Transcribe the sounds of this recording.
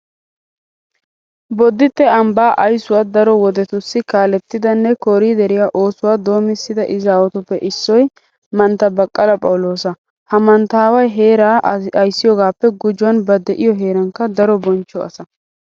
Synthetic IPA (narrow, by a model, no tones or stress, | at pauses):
bɔd̪ːɪt̪ːɛɐmbaːʔɐjsʊwaːd̪ɐɾɔwɔd̪ɛt̪ʊsːɪkaːlɛt̪ːɪd̪ɐnːɛkɔɾiːd̪ɛɾɪjaʔoːsʊwaːd̪o̞ːmɪsːɪd̪ɐʔɪzaːwɔt̪ʊpːɛʔɪsːɔj | mɐnt̪ːɐbɐkʼːɐlɐpʼɐwʊlo̞ːsɐ | hɐmɐnt̪aːwɐjɦeːɾaːɐjsːɪjɔːɡaːpːɛɡʊd͡ʒʊwɐnbɐd̪ɛʔɪjɔɦe̞ːɾɐŋkɐd̪ɐɾɔbɔnt͡ʃːɔɐ̰sɐ